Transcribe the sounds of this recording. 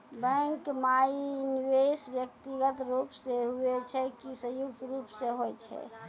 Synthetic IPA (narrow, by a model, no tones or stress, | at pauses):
bɛ̃ŋkmainiʋesbjək̚t̪iɡət̪ɾupseɦuet͡ʃʰɛkisə̃juk̚t̪ɾupseɦojt͡ʃʰɛ̰